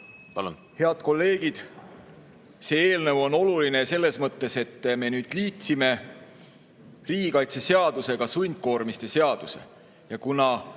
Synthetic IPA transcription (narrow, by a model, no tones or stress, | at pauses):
pɑlṵn | he̞ɑd̪̥̚ko̞lːe̞ːɡ̥id̪̥ | se̞e̞ːlnəvo̞no̞luline̞se̞lːe̞smɤt̪ːe̞se̞t̪ːme̞nyːd̪̥liːt̪sime̞ | riːɡikɑjt̪sese̞ɑd̪̥use̞ɡ̥ɑsujnʲd̪̥̚ko̞ːɾmist̪e̞se̞ɑd̪̥use̞̰ | jɑkunɑ